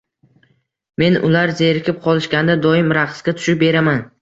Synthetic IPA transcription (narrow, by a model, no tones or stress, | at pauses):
me̞nʊlaɾzeɾɪkʲʰɪp̚qʰɒlˠɪʃkʲand̪ad̪ɒɪmɾaqsɡʲat̪ʰʊ̥ʃɪp̚be̞ɾaman